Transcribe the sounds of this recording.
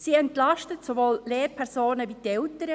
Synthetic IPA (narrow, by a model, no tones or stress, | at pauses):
siːɛntlɑʃtətsovoːlleːɾpʰɛɾsoːnəvit̪ɛltəɾə